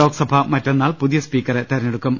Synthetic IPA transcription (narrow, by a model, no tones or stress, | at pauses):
o̞ːksɐbʱɐmɐtːe̞nːaːlpuðijɐspiːkːɐret̪ɐɾɐnːeɽukːum